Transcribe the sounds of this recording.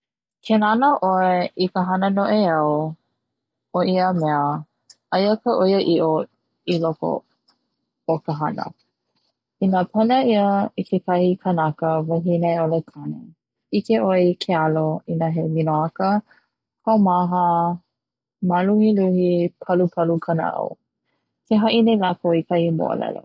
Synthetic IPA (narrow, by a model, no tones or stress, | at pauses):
kʰenanəʔoeʔikəɦɐnənoʔeɐw | oʔiəmɛə | ajəkʰəʔojəʔiʔo | iloko̰ | okəɦanə̰ | inapʰɐnəiəikʰekʰɐhikʰənakəvɐɦineolekʰanḛ | ikeʔoikʰealoinaɦeminoakə | kʰawmaɦə | maluhiluhipʰɐlupʰɐlukʰəna̰ʔo̰ | kʰeɦaʔinelakoikʰahimo̰ə̰lɛ̰lo̰